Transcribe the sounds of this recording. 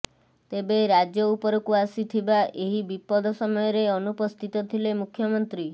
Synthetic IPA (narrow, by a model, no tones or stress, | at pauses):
t̪ebeɾad͡ʒjɔupɔɾɔkuasit̪ʰibaʔeɦibipɔd̪ʱɔsɔmɔjɔɾeɔnupɔst̪ʰit̪ɔt̪ʰilemukʰːjɔmɔnt̪ɾi